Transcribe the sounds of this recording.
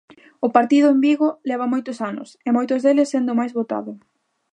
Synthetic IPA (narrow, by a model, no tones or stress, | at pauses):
ʊpaɾt̪iðʊembiɣʊlɛβɐmojt̪ʊsanʊ̰semojt̪ʊzðelɪsːend̪ʊmajzβot̪a̰ðʊ